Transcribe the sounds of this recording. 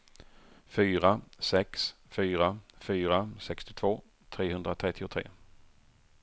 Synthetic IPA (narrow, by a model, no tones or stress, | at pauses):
fyːɾasɛks | fyːɾafyːɾasɛkst̪ɪt̪ʰv̥oː | t̪ʰɾeːɦɵnd̪ɾat̪ʰɾɛt̪ːɪʊt̪ʰɾḛː